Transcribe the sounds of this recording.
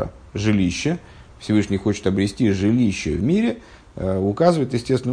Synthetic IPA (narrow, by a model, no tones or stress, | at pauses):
ə̰ | ʐɨlʲiɕːə | fsʲɪvɨʂnʲɪjxo̞t͡ɕɪ̥t̪əbɾʲɪsʲtʲiʐɨlʲiɕːɪ̰vmʲiɾʲɪ | ʊkazɨvəɪt̪jɪsʲtʲest̪ɪn